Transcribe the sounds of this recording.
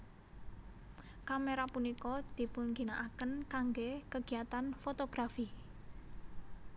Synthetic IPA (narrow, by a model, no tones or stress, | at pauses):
kameɾapunikɔd̪̥i̤pʊnɡinaʔakənkaŋɡekəɡ̥i̤at̪anfot̪oɡ̥ɾafi